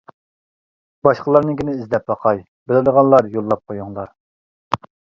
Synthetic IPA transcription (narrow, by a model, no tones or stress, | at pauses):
bɑʃqəlˠɑɾnɨŋkʲinɪizd̪ɛp̚bɑqʰɑj | bɪlɪd̪əʁɑnlˠɑɾjolˠːɑp̚qʰojuŋlˠɑɾ